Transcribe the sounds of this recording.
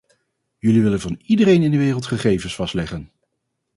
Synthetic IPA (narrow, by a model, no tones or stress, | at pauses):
jɵliʋɪlənvɑnidərejnɪndəʋɪːrəlˠtχəχejvənsfɑstlɛχən